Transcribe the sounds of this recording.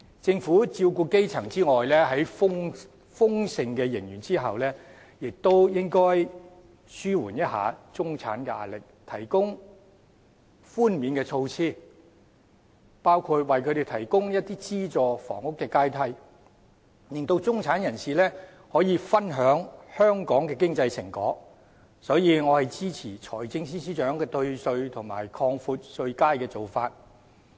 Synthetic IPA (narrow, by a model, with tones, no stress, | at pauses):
t͡sɪ˧ŋfuː˨˥t͡siː˧wkuː˧ke˥jt͡sʰɐ˨˩ŋt͡siː˥ŋɔː˨˩jlɛː˥ɦɐ˨˥jʊ˥ŋ | fʊ˥ŋsɪ˨ŋkɛː˧jɪ˨˩ŋjyː˨˩nt͡siː˥ɦɐ̰˨wlɛː˥ | jɪ˨k̚t̪o˥wjɪ˥ŋkɔː˥j | syː˥wṵː˨˩njɐ˥t̚ha̰ː˨˧t͡sʊ˥ŋt͡sʰa̰ː˨˥nkɛ˧a̰ː˨˧lɪ˨k̚t̪ʰɐ˨˩jkʊ˥ŋ | fuː˥nmiː˨˧˥nkɛː˧t͡sʰo˧wt͡sʰiː˥ | paː˥wkʰuː˧t̚wɐ˨jkʰɵ˨˧ɾe˨jt̪ʰɐ˨˩jkʊ˥ŋjɐ˥t̚t̪iː˥t͡siː˥t͡sɔː˨fɔ̰ː˨˩ŋʊ˥kːɛː˧kaː˥jt̪ʰɐ˧˥j | lɪ˨˩ŋt̪o˧wt͡sʊ˥ŋt͡sʰaː˨˥njɐ˨˩nsiː˨lɛː˥ | hɔː˨˥jiː˨˧fɐ˥nɦœː˨˥ŋhœː˥ŋkɔː˨˥ŋkɛː˧k̬ɪ˥ŋt͡sɐ˧jsɪ̰˨˩ŋkɔ̰ː˨˥k̚ | sɔː˨˥jiː˨˧ŋɔː˨˧hɐ˨jt͡siː˥t͡sʰiː˨˩t͡ʃʰɔː˨˩jt͡sɪ˧ŋs̬iː˥siː˥t͡ʃœː˨˥ŋkɛː˧t̪ɵ˧ɥsɵ˧ɥt̪ʰʊ˨˩ŋma̰ː˨˩jkʰɔː˧ŋfuː˧t̚sɵ˧ɥkaː˥jkɛː˧t͡so˨˩wfaː˧t̚